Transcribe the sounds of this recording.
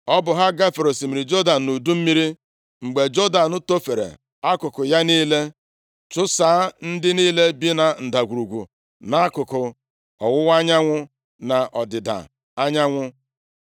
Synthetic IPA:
ɔ˦bʊ˨ɦa˦ɡa˦fe˨ɾo˨si˨mi˨ɾi˨d͡ʒo˦da˨n̩˨nu˨du˦m̩˦mi˦ɾi˦ | ŋ͡m̩˨ɡ͡be˨d͡ʒo˦da˨nʊ˦to˦fe˨ɾḛ˨ | a˦kʊ˨kʊ˨ja˦niː˦le˦ | t͡ʃʊ˦saː˨˦a˦n̩˦dɪ˦niː˦le˦bi˦na˨n̩˨da˨ɡʷu˨ɾu˨ɡʷṵ˨ | na˦a˦kʊ˨kʊ˨ | ɔ˨wʊ˦wa˦ɲa˦ŋʷʊ˦ | na˨ʔɔ˨dɪ˨da̰˨ | a˦ɲa˦ŋʷʊ˦

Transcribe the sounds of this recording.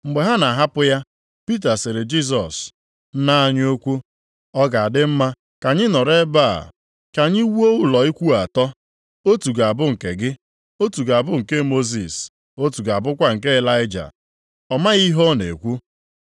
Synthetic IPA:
ŋ͡m̩˨ɡ͡be˨ɦa˦na˨ɦa˦pʊ˦ja˦ | pi˦t̬a˨sɪ˨ɾe˨d͡ʒi˦s̬ɔ˨s̩˦ | na˦a˦ɲ˦o˦kʷu˦ | ɔ˦ɡa˨a˨dɪ˦m̩˦ma˦ | ka˨ɲɪ˦nɔ˨ɾe˦ba˦˨a̰˨ | ka˨ɲi˦wu˦o˦u˦lɔ˨i˦kʷu˦a˨tɔ˦ | o˦tu˨ɡa˨bʊ˦ŋ̩˨ke˨ɡɪ˦ | o˦tu˨ɡa˨bʊ˦ŋ̩˨ke˦mo˦zḭ˨s | o˦tu˨ɡa˨bʊ˦kʷa˦ŋ̩˨ke˦e˦la˦ɪ˦d͡ʒa̰˨ | ɔ˨ma˦ɣi˦ɦɔ˦nḛ˨kʷu˦

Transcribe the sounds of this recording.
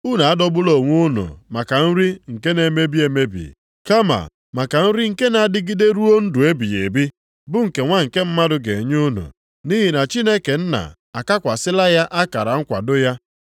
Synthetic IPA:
u˦na˨a˦dɔ˦bʊ˦lo˨ŋʷʊ˦no̰˨ma˨ka˨n̩˦ɾi˦ŋ̩˨ke˦ne˨me˦bi˦e˨me˦bḭ˨ | ka˦ma̰˨ | ma˨ka˨n̩˦ɾi˦ŋ̩˨ke˦na˨a˨dɪ˦ɡi˦de˦ɾu˦o˦n̩˦du˨e˦bi˨jḛ˨bi˦ | bʊ˦ŋ̩˨ke˨ŋʷa˦ŋ̩˨ke˦m̩˦ma˦dʊ˨ɡe˨ɲ˦ʊ˦no̰˨ | ni˦ɦi˨na˨t͡ʃi˦ne˦ke˨n̩˦na̰˨ | a˨ka˦kʷa˨sɪ˦la˦ja˦ʔa˦ka˨ɾa˨ŋ̩˦kʷa̰˨dʊ˦ja˦

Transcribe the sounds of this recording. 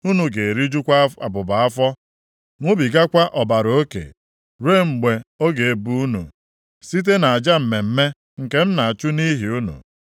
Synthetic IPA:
u˦nu˨ɡe˨e˨ɾi˦d͡ʒu˦kʷa˦a̰˨bʊ˨ba˨a˦fɔ˦ | ŋʷo˦bi˨ɡa˦kʷa˦ʔɔ˨ba˨ɾo˦o˦kḛ˨ | ɾe˦˨ŋ͡m̩˨ɡ͡be˨o˦ɡe˨e˨bu˦u˦nṵ˨ | si˦t̬e˦na˨a˨d͡ʒa˦m̩˨me˨m̩˦me˦ | ŋ̩˨ke˦m̩˦na˨a˨t͡ʃu˦ni˦ɦi˨u˦nṵ˨

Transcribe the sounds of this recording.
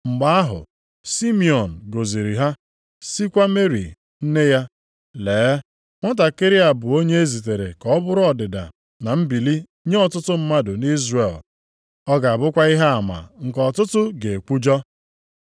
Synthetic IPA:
ŋ͡m̩˨ɡ͡ba˦a˦ɦʊ̰˨ | si˦mi˨ɔ˨n̩˨ɡo˨zi˨ɾi˨ɦa˦ | si˦kʷa˦me˦ɾḭ˨ | n̩˦ne˦ja˦ | leː˨˦ | ŋʷɔ˦t̬a˨kɪ˦ɾɪ˦a˨bʊ˨o˦ɲe˦e˦zi˨t̬e˨ɾḛ˨kɔ˦˨˦bʊ˦ɾʊ˦ɔ˨dɪ˨da̰˨ | na˨m̩˦bi˨li˦ | ɲe˦ɔ˨tʊ˦tʊ˦m̩˦ma˦dʊ˨ni˦zre˨l | ɔ˦ɡa˨a˨bʊ˦kʷa˦i˦ɦa˦a˨ma̰˨ŋ̩˨kɔ˨tʊ˦tʊ˦ɡe˨kʷu˦d͡ʒɔ˦

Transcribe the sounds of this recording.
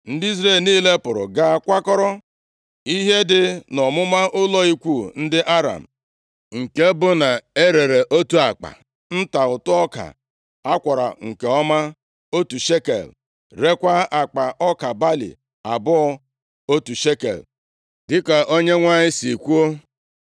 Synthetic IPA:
n̩˦dɪ˦i˦zɾe˦˨lniː˦le˦pʊ˨ɾʊ̰˨ɡa˦a˦kʷa˦kɔ˦ɾɔ˦ | i˦ɦe˦dɪ˦nɔ˨mʊ˦ma˦ʔʊ˦lɔ˦i˦kʷu˦˨n̩˦dɪ˦ʔa˦ɾa̰˨m̩˨ | dŋ̩˨ke˦bʊ˦na˨e˦ɾe˨ɾe˨ʔo˦tu˦a˨k͡pa̰˨ | n̩˦ta˨ʊ˨tʊ˦ɔ˦ka̰˨ | a˦kʷa˨ɾa̰˨ŋ̩˨ke˨ɔ˦ma˦ | o˦tu˨ʃe˦kḛ˨l | ɾe˦kʷa˦a˨k͡pa˨ʔɔ˦ka˨ba˦lḭ˨ | a˨bʊ˦ɔ˦ | o˦tu˨ʃe˦kḛ˨l | dɪ˦ka˨ʔo˦ɲe˦ŋʷa˦ɲɪ˦si˨kʷu˦o˦

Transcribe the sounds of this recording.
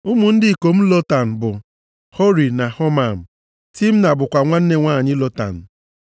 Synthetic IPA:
ʊ˦mʊ˨n̩˦dɪ˦˨ko˨m̩˦lo˦ta˨n̩˨bʊ˨ | ho˦ɾi˨na˨ho˦ma˨m̩˨ | ti˦m̩˦na˨bʊ˨kʷa˨ŋʷa˦n̩˦ne˦ŋʷaː˦˨ɲɪ˦lo˦ta̰˨n̩˨

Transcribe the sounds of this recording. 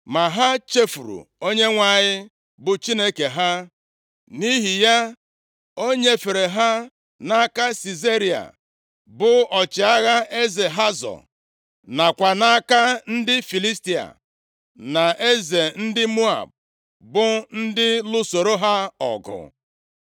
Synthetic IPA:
ma˨ɦa˦t͡ʃe˦fu˨ɾṵ˨o˦ɲe˦ŋʷa˦˨ɲɪ˦ | bʊ˨t͡ʃi˦ne˦ke˨ɦa˦ | ni˦ɦi˨ja˦ | o˦ɲe˦fe˨ɾe˨ɦa˦ | na˦ka˦si˨ze˦ɾi˨a̰˨ | bʊ˨ɔ˨t͡ʃɪ˨a˦ɣa˦e˦ze˨ɦa˦zɔ̰˨ | na˨kʷa˨na˦ka˦n̩˦dɪ˦fi˨li˦sti˨a̰˨ | na˨ʔe˦ze˨n̩˦dɪ˦mu˦a̰˨b̚ | bʊ˨n̩˦dɪ˦lʊ˦so˨ɾo˦ɦa˦ɔ̰˨ɡʊ̰˨

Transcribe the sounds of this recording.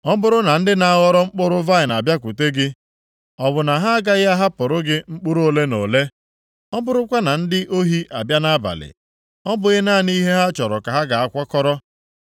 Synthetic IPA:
ɔ˦bʊ˨ɾʊ˦na˨n̩˦dɪ˦na˨a˦ɣɔ˦ɾɔ˦ŋ͡m̩˦k͡pʊ˦ɾʊ˦va˦ɪ˨n˨a˨bja˦kʷu˨te˦ɡɪ˦ | ɔ˨βʊ˨na˨ɦa˦a˦ɡa˦ɣɪ˦a˦ɦa˦pʊ˨ɾʊ˦ɡɪ˦ŋ͡m̩˦k͡pʊ˦ɾo˦le˦no˨le˦ | ɔ˦bʊ˦ɾʊ˦kʷa˦na˨n̩˦dɪ˦ʔo˦ɦi˦ʔa˨bja˦na˦ba̰˨lɪ̰˨ | ɔ˦bʊ˨ɣɪ˦na˦˨ni˦ɦe˦ɦa˦t͡ʃɔ˨ɾɔ̰˨ka˨ɦa˦ɡa˨a˦kʷɔ˦kɔ˦ɾɔ˦

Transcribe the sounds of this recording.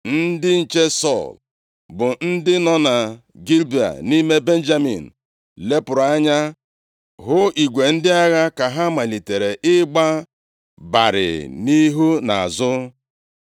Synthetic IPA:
n̩˦dɪ˦n̩˨t͡ʃe˦sɔ˦˨l | bʊ˨n̩˦dɪ˦nɔ˦na˨ | ɡi˦lbi˨a̰˨ni˦me˦be˦n̩˦d͡ʒa˦mḭ˨n̩˨ | le˦pʊ˨ɾa˦ɲa˦ | ɦʊ˦i˨ɡʷe˨n̩˦dɪ˦a˦ɣa˦ka˨ɦa˦ma˨li˨te˨ɾe˨ʔɪ˦ɡ͡ba˦ | ba̰˨ɾɪ̰˨ni˦ɦu˦na˨a̰˨zʊ˦

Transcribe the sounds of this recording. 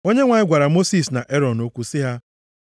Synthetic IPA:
o˦ɲe˦ŋʷa˨ɲɪ˦ɡʷa˨ɾa˨mo˦si˦˨sna˨ʔe˦ɾɔ˨no˦kʷu˦sɪ˦ɦa˦

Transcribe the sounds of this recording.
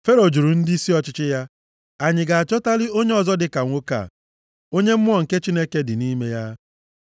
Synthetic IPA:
fe˦ɾo˨d͡ʒu˨ɾu˨n̩˦di˦i˦si˦ɔ˨t͡ʃɪ˦t͡ʃɪ˦ja˦ | a˨ɲɪ˨ɡa˨a˨t͡ʃɔ˦ta˦lɪ˦o˦ɲe˦ɔ˨zɔ˦dɪ˨ka˨ŋʷo˦ka̰˨ | o˦ɲe˦m̩˦m˦ɔ˦˨ŋ̩˨ke˦t͡ʃi˦ne˦ke˦dɪ˨ni˦me˦ja˦

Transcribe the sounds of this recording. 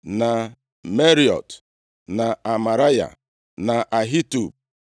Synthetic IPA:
na˨ | me˦ɾi˨ɔ̰˨t | na˨a˨ma˨ɾa˦ja̰˨ | na˨ʔa˨ɦi˦tu˨b̚

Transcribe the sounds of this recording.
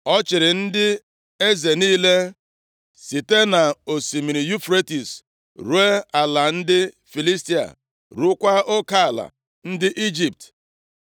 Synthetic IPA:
ɔ˦t͡ʃɪ˨ɾɪ˨n̩˦dɪ˦ | e˦ze˨niː˦le˦ | si˨te˦na˨o˨si˨mi˨ɾi˨ju˦fɾe˦ti˨s | ɾu˨˦e˦a˨la˨n̩˦dɪ˦ | fi˨li˦sti˦a̰˨ | ɾu˦kʷa˦o˦ka˦a˨la̰˨ | n̩˦dɪ˦ʔi˦d͡ʒi˨p̚t

